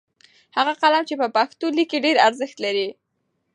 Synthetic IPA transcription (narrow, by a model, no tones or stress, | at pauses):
haɣaqalamt͡ʃepəpakt̪olikeɖeɾaɾzəxt̪laɾi